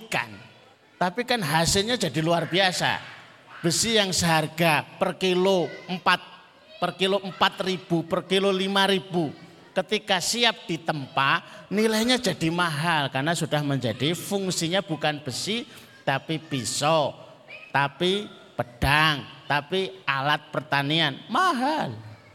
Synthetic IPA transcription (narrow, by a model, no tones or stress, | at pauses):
ka̰n | t̪apikanɦasɪlɲad͡ʒadiluarbiasa̰ | b̥əsijaŋsəɦarɡapərkiloəmpat̪̚ | pərkiloʔəmpat̪̚rib̥upərkilolimaɾib̥u | kət̪ikasiap̚d̥it̪əmpanilajɲad͡ʒadimaɦalkarnasudahməɲd͡ʒadifuŋsiɲab̥ukanb̥əsi | t̪apipisɔ | t̪api | pəd̥aŋt̪apialat̪̚pərt̪anianmaɦal